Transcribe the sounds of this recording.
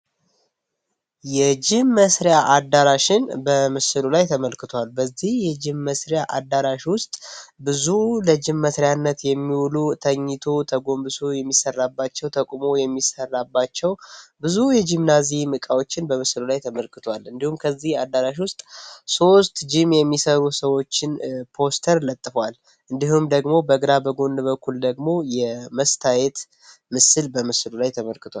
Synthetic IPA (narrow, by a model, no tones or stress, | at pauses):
jɛd͡ʒɪmːəsɾjaʔad̪ːaɾaʃɪnbəmɨsɨlulajt̪ʰəməlkɨt̪ʰowalbəzːihjɛd͡ʒɪmːəsɾjaʔad̪ːaɾaʃwʊst̪ʼbɨzuləd͡ʒɪmːəsɾjanːət̪jɛmːiwlut̪ʰəɲːɪt̪ʰot̪ʰəɡo̞mbɨsojɛmːisːərːabːat͡ʃːɛwt̪ʰəkʼmo̞jɛmːisərːabːat͡ʃːɛwbɨzujɛd͡ʒimnazimɨkʼawo̞t͡ʃːɪnbəmɨslulajt̪ʰəməlkʰɨt̪ʰowalɨnd̪ihumkʰəzːihad̪ːaɾaʃ̬wʊst̪ʼso̞st̪d͡ʒɪmjɛmːisəɾusəwo̞t͡ʃːɪnpʰo̞st̪ʰəɾlət̪ʼːɨfwal | ʔɨnd̪iɦumd̪əɡmo̞bəɡɾabəɡo̞nːɨβəkʰːuld̪əɡmo̞jɛməst̪ʰajɛt̪ | mɨsɨlbəmɨslulajt̪ʰəməlkɨt̪ʰoal